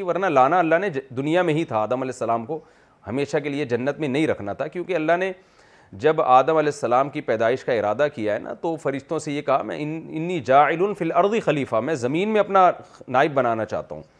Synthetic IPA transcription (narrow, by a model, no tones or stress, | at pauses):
iʋɐɾnalaːnaɐlːaɦned̪ʊnijamẽɦĩt̪ʰaaːd̪əmɐlɛːsːɐlaːmko | hɐmeːʃak̬elied͡ʒɐnːət̪mẽnɐɦĩɾɐkʰnat̪ʰakjõːkeɐlːaɦne | d͡ʒɐbaːd̪əmɐlɛːsːɐlaːmkipɛːd̪aːɪʃkaɪɾaːd̪akijaɦɛ̰nʔa̰t̪ofɐɾɪʃt̪õsejekɐɦa̰mɛ̰̃ɪɪnːiːd͡ʒaːɪlʊnfilɐɾd̪ixɐliːfamɛ̃ːzɐmiːnmẽɐpnanaːɪbːɐnaːnat͡ʃa̰ːɦt̪a̰ɦṵ̃ː